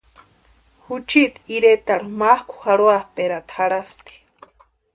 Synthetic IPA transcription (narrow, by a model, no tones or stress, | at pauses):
hut͡ʃit̪iɾet̪aɾumahkʷʰu̥haɽwahpeɾat̪ʰhaɾast̪i̥